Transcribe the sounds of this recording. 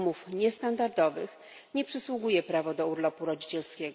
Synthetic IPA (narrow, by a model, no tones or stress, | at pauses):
mufɲɛst̪and̪aɾd̪ɔvɘx | ɲɛpʂɘswuɡujɛpɾavɔd̪ɔuɾlɔpuɾɔd͡ʑit͡ɕɛlskʲɛɡ